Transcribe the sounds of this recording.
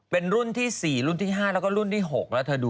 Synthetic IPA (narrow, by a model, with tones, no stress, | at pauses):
pe˧nɾu˥˩nt̪ʰiː˥˩siː˨˩ɾu˥˩nt̪ʰiː˥˩ɦaː˥˩lɛː˧˦˥wkɔː˥˩ɾu˥˩nt̪ʰiː˥˩ɦo˨˩k̚la˦˥t̪ʰːa˧duː˧